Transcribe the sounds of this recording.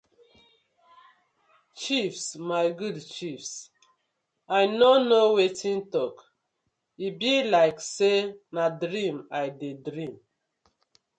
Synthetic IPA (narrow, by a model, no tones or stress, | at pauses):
t͡ʃifsmaɪɡudt͡ʃifs | ajnonowetʰĩntɔk | ibilaɪksenadɾĩmajdedɾĩm